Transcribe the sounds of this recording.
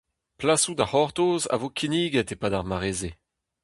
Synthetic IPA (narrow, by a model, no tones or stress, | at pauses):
plasud̪ahɔʁt̪oːza̰vokʰiniːɡɛt̪epadaʁmaʁeːze